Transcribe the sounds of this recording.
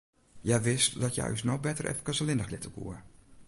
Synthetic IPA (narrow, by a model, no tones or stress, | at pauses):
jɛjʋɪstdɔtja̰snobɛtərɛ̰fəkəsəlɪndəklɪtəkṵə